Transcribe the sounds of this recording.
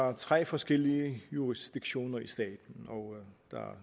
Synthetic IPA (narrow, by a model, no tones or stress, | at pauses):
æɐt͡sʰʁɛ̰ːfɒ̽sɡ̥el̰iəjuʁisd̥iɡ̥ɕo̝̰ːnɐisd̥ɛ̰ːd̥n̩ɒʊd̥ɑ̈æɐ